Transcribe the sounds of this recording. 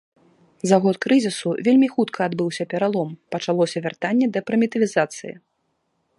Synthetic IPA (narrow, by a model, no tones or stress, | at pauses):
zaɣɔt̪kɾɨzʲisuvʲelʲmʲixut̪kʰɐːd̪bɨwsʲɐpʲɛɾalˠɔmpɐt͡ʂalˠɔsʲɐvʲart̪anʲːɛd̪ɐpɾɐmʲit̪ɐvʲizat̪sɨjḭ